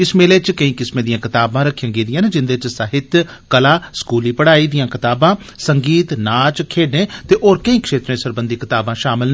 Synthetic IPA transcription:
ɪsmeːleːt͡ʃkəĩːkɪsmẽːd̪ɪjãːkɪt̪aːbãːɾəkʰːjə̃ŋɡiːd̪ɪjãːneːd͡ʒɪnd̪eːt͡ʃsaɦɪt̪ | kəlaːskuːliːpəɽaːiːd̪ɪjãːkɪt̪aːbãː | səŋɡiːt̪naːt͡ʃkʰeːɖneːt̪eːʔoːɾkəĩːkʃeːt̪ɾẽːsəɾbənd̪iːkɪt̪aːbãːʃaːmɪln

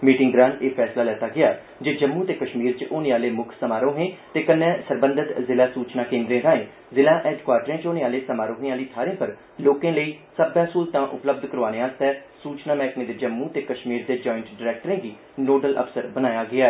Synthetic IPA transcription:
miːʈɪ̃ŋɡɾãːneːpʰɛːslaːlɛːt̪aːɡɪjaː | d͡ʒeːd͡ʒəmːuːt̪eːkəʃmiːɾt͡ʃʔoːnẽːaːleːmʊkʰsəmaːɾõːɦẽːt̪eːkənːɛ̃ːsəɾbə̃nd̪ʱət̪zɪlaːsuːt͡ʃnaːkẽːnd̪ɾẽːd̪ãːẽː | zɪlãːʔɛːɖkwaːɾʈɾẽːt͡ʃoːneːaːleːsəmaːɾõːɦẽːaːliːt̪ʰaːɾẽːpəɾ | loːkẽːləiː | səbːãːsuːlt̪ãːʔʊ̰pləb̚d̪kəɾoaːneːaːst̪ɛːsuːt͡ʃnaːmɛ̃ːknẽːd̪eːd͡ʒəmːuːt̪eːkəʃmiːɾd̪eːd͡ʒɔːɪɳʈɖɪɾɛːk̚ʈəɾẽːɡiː | noːɖəlʔə̰psəɾbənaːjaːɡɪaː

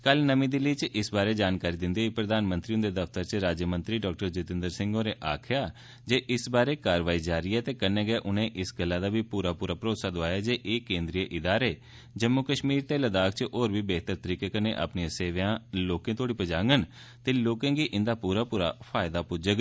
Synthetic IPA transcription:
kəlnəmĩːd̪ɪliːt͡ʃɪsbaːɾeːd͡ʒaːnkaːɾiːd̪ɪnd̪iːiːpɾəd̪aːnmə̃nt̪ɾiːʊ̃nd̪eːd̪əft̪əɾt͡ʃɾaːd͡ʒjəmə̃nt̪ɾiːɖɔːk̚ʈəɾd͡ʒʊt̪ɪ̃nd̪əɾsɪ̃ŋɡoːɾeːʔaːkʰjaː | d͡ʒeːʔɪsbaːɾeːkaːɾəʋaːiːd͡ʒaːɾiːɛːt̪eːkənɛ̃ːɡaːʔʊnẽːʔɪsɡəlːaːd̪aːʋiːpuːɾaːpuːɾaːpəɾoːsaːd̪ʊaːjaːd͡ʒeːʔeːkẽːnd̪ɾijəʔɪd̪aːɾeː | d͡ʒəmːʊkəʃmiːɾt̪eːləd̪aːkʰt͡ʃʔoːɾbiːbɛːt̪əɾt̪əɾiːkeːkənḛ̃ːʔa̰pniãːseːʋjãːloːkẽːt̪ʰoːɽiːpəd͡ʒãːŋɡən | t̪eːloːkãːɡiːʔɪ̃nd̪aːpuːɾaːpuːɾa̰ːpʰaːɪd̪aːpʊd͡ʒəɡ

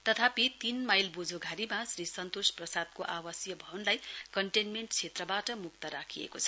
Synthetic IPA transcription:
t̪ʌt̪ʰapit̪inmajlbud͡zʱoɡʱaɾimasrisʌnt̪osprʌsad̪̚koʔawʌsjʌbʱʌwnlajkʌɳʈenmeɳʈt͡sʰet̪rʌbaʈʌmuk̚t̪ʌɾakʰiḛkot͡sʰʌ̥

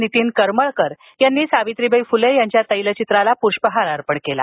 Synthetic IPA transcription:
nit̪iːnkəɾməɭkəɾ | janːiːsaʋit̪ɾibʱəjfulejaɲt͡ɕjat̪əjlət͡ɕit̪ɾalapuɾʂpəɦaɾaɾpəɳkela̰

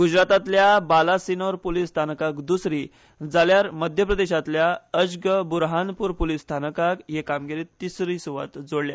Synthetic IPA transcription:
ɡud͡ʑɾat̪at̪ljabalasinəɾpolist̪ʰanəkakd̪usɾiː | d͡zaljaɾməd̪ʱjəpɾəd̪eɕat̪ljaəd͡ʑɡəbuɾɦanpuɾpolist̪ʰanəkakɦekamɡiɾiːt̪ːisɾisuʋa̰t̪d͡zoɽlja̰

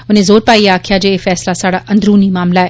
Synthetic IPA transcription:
ʊnẽzoːɾpaːiaːkʰijad͡ʒeefɛːslasaːɽaʔɐ̃nd̪ɾuːnimaːmlaɦɛː

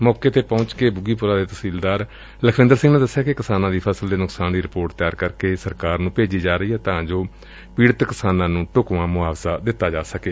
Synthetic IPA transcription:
mɔːkeːt̪eːpɔ̃ʊt͡ʃkeːbʊɡiːpʊɾãːd̪eːt̪əsiːld̪aːɾ | ləkʰʋɪ̃nd̪əɾsɪŋɡnẽːd̪əsːejaːkɪkɪsaːnãːd̪iːpʰəsəld̪eːnʊksaːnd̪iːɾɪpoːɾʈt̪ɪjaːɾkəɾkeːsəɾkaːɾnũːpeːd͡ʒiːd͡ʒaːɾəiːɦɛːt̪ãːd͡ʒoː | piːɽət̪kɪsaːnãːnũːʈʊkʋãːmʊaːʋzaːd̪ɪt̪ːaːd͡ʒaːsəkeː

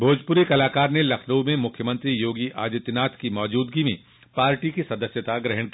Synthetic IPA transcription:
bʱoːd͡ʒpʊɾekɐlaːkaːɾnelɐkʰnəwmẽmʊkʰjəmə̃nt̪ɾijoːɡiʔʔa̰ːd͡ʒɪt̪naːt̪ʰkimɔːd͡ʒuːd̪ɡimẽ | paːɾʈikisɐd̪əsjət̪aɡɾɛɦəɽ̃kiː

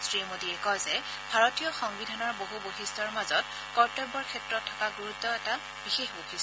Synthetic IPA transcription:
sɹimodiɛkɔjzɛ | bʱaɹotijɔxɔŋbidʱanɔɹboɦuboxistʰɔɹmazɔt | kɔɹtɔbɔɹkʰɛtɹɔtʰːɔ̥kaɡuɹutːɔɛta | b̥ixexboxis

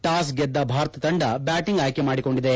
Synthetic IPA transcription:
ʈaːs̬ɡɛd̪ːɐbʱaːɾt̪ɐt̪ɐɳɖɐbjaːʈiŋɡaːjkemaːɽiko̞ɳɖid̪e

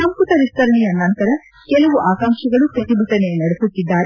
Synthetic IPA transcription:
ɐmkut̪ɐɾist̪ɐɾɐɳijɐnːɐnt̪ɐɾɐ | kɛlɐʋuʔaːkaːŋʂɐɡɐɭupɾɐt̪ibʱɐʈ̪ɐnenɐɽesut̪ːid̪ːaːɾe

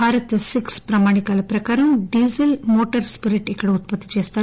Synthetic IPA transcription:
bʱaːɾɐt̪sikspɾɐmaːɽikaːlɐpɾɐkaːɾɐmɖiːzɐlmoːʈɐɾspiɾiʈikːɐɽeut̪̚pɐt̪ːit͡ʃeːst̪aː

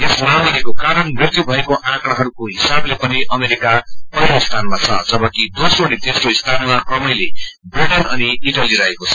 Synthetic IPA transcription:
esmaw̃ekokaɾʌnbikt̪jubʱʌekoʔãkɽaɦʌɾukoɦisablepʌniʔʌmeɾikapʌɾoist̪ʰanmat͡sʰʌd͡zʌbʌkid̪osronit̪esroɦist̪ʰanmakrʌmʌjle | briʈinʌniiʈaliɾʌɦekot͡sʰʌ̥

